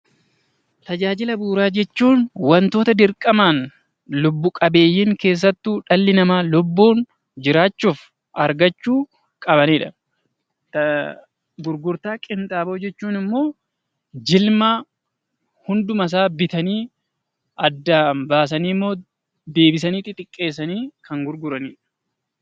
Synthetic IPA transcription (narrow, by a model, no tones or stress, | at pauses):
t̪ɐd͡ʒaːd͡ʒɪlɐbuːɾaːd͡ʒɛt͡ʃːuːnwɐnt̪o̞ːt̪ɐd̪ɪɾkʼɐmaːn | lʊbːʊkʼɐbe̞ːjːɪŋke̞ːs̬ːɐt̪ːuːᶑɐlːɪnɐmaːlʊbːuːn | d͡ʒɪɾaːt͡ʃːuːf | ʔɐɾɡɐt͡ʃːuː | kʼɐβɐniːᶑɐ | t̪ | ɡʊɾɡʊɾt̪aːkʼɪnt̪ʼaːbɐːd͡ʒɛt͡ʃːuːnɪmːo̞ː | d͡ʒɪlma | hʊnd̪ʊmɐs̬aːbɪt̪ɐniː | ɐd̪ːaːmbaːs̬ɐniːmːo̞ː | d̪e̞ːbɪsɐniːt̪ʼɪt̪ʼɪkʼːe̞ːsɐniːkʰɐŋɡʊɾɡʊɾɐniːᶑɐ̥